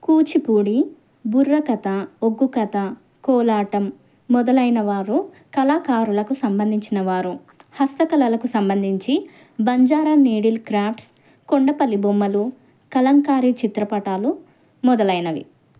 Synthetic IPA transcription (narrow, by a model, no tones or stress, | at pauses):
kuːt͡ʃipuːɽi | buɾːɐkɐt̪ɐoɡːukɐt̪ɐ | kɔːlaːʈɐmː | ɔd̪ɐlɐjnɐʋaːɾu | kɐlaːkaːɾulɐkusɐmbɐnd̪ʱiɲt͡ʃinɐʋaːɾu | hɐst̪ɐkɐlɐlɐkusɐmbɐnd̪ʱiɲt͡ʃi | bɐɲd͡ʒaːɾɐniːɽilkɾaːpʈs | koɳɖɐpɐlibumːɐlu | kɐlɐŋkaːɾit͡ʃit̪ɾɐpɐʈaːlu | mɔd̪ɐlɐjnɐʋḭ